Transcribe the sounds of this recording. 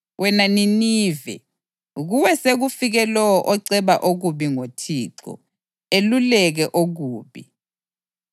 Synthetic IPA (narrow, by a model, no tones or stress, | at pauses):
wɛnaniniːvɛ̰ | uɣuwɛseɣ̬ufiɣɛlɔɔʔɔǀɛβaʔoɣuɓiŋotʰiːǁɔ̰ | elulɛɣ̬ɛʔoɣ̬uːɓi